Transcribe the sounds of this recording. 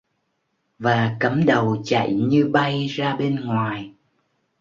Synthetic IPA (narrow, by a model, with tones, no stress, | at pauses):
vaː˨˩kə˨˦mɗə˨˩wt͡ɕa̰˧˨jɲɨ˧ɓa˧jzaː˧ɓe˧nŋwaː˨˩j